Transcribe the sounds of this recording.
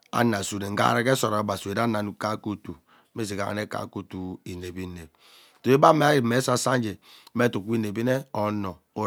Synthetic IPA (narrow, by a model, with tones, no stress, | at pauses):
a̰˨na˨su˨ne˨ŋ̩˦ɡa̰˦˨ɾe˦ke˦so˨ɾa˨ba˨su˨e˨ɾa˦na˨nu˨ka˦˨ku˦tu˨˦ | me˦s̬i˨ka̰˨ɣa̰˨ne˦ka̰˨ku˦tu˨i˨ne˨bi˦ne˨b̚ | to˨e˦ba˦me˨˦a˦ɾi˨me˨˦sa˦sa˦n˦d͡ʒe˨me˦tu˨ku˦i˦ne˨bi˦ne˦ɔ˨nɔ˨ | o˨